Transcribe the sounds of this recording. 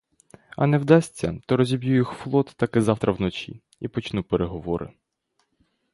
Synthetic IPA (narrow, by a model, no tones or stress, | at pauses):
ɐ̰nɛwd̪ɑsʲtʲːɐ̰t̪ɔɾɔzʲibʲjujixflˠɔt̪ːɑkɪzɑwt̪ɾɐwnɔt͡ʃḭ | ipɔt͡ʃnupeɾeɦɔʋɔɾɪ̰